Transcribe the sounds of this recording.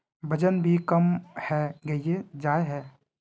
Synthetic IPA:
bəd͡ʒənbʱikəmhɛɡɐied͡ʒaːeɦɛː

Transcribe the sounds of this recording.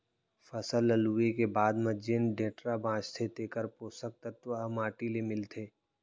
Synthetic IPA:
fɐsəlɐluekebaːd̪mɐd͡ʒenɖẽːʈɾabʱãːt͡ʃt̪ʰet̪eːkəɾpoːsək̚t̪ət̪ʋəmaːʈilemɪlt̪ʰeː

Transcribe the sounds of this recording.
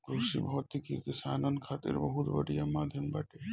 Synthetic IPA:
ɡɾuʃḭbɔɔt̪ʰːikḭkisaːnənkʰaːt̪ɪ̰ɾbɐɦut̪bɐ̰ɽijamaːd̪ʱjɐmbaʈe

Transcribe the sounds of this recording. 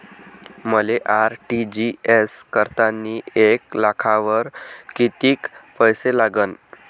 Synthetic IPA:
məleʔaɾʈid͡ʑieskəɾt̪anːiːeklakʰaʋəɾkit̪iːkpəjselaɡən

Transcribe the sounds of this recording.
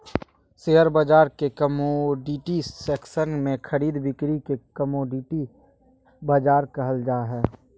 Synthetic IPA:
seɦəɾbəd͡ʒaːɾkekəmoɖiʈisɛːksənmẽkʰəɾiːd̪bɪkɾikekəmoːɖiʈi | bəd͡ʒaːɾkɐɦəld͡ʒaːɦɛː

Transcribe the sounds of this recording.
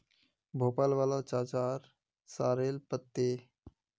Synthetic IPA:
bʱoːpaːlʋaːlat͡ʃaːt͡ʃaːɾ | saːɾeːlpət̪ːeː

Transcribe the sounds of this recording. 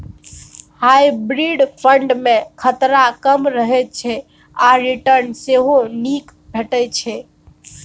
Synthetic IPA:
hajbɾiɖpʰəɳɖmẽkʰət̪ɾakəmɾəɦɛt͡ʃʰɛ | aɾiʈəɾnseɦonik | bʱeʈət͡ʃʰɛ

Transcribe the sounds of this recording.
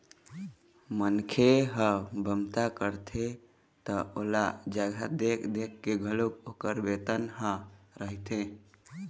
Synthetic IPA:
mənkʰeɦəbʱəmt̪akəɾt̪ʰe | t̪əolad͡ʒəɡʱəd̪ekʰd̪ekːeɡʱəlokokəɾbet̪ənɦə̃ɾəɦt̪ẽ

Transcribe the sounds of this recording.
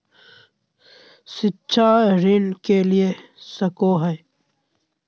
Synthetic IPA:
sɪtːʃʰaɾɪnkeliesɐkoːɦɛː

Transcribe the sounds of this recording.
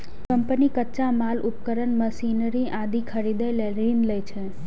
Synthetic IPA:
kəmpənikətːt͡ʃamalupkəɾənməsinəɾiʔãd̪ikʰəɾid̪əjleɾinləjt͡ʃʰe

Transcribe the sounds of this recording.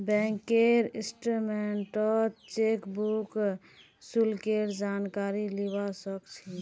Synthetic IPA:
bɛ̃ŋkeɾisʈɾumeɳʈəlt͡ʃekbuk | sulkeɾd͡ʒankaɾilibasəkt͡ʃʰi

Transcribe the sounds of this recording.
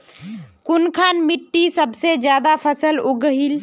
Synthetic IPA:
kʊnkʰaːnmɪʈːisəbsed͡ʒjaːd̪apʰəsəloɡəɦil

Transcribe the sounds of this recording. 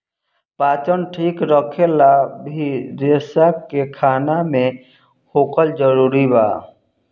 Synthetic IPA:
paːt͡ʃənʈʰiːkɾəkʰelabʱiɾesakekʰaːnamẽ | hoːkəld͡ʒəɾuːɾiba̰ː

